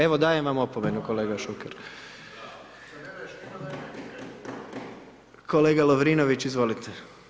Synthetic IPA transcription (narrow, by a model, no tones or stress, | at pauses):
eʋod̪aːjemʋamopomenukoleːɡaʃukeɾ | kʰoleːɡalˠoʋɾiːnoʋit͡ɕizʋo̞lit̪ʰe